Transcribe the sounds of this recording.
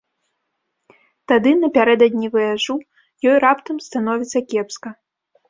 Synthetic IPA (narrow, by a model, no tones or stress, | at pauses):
t̪ad̪ɨnɐpʲaɾɛd̪ɐd̪ʲnʲivɨjaʐu | jɔjrapt̪ɐmst̪anɔvʲit̪sɐkʲɛpskɐ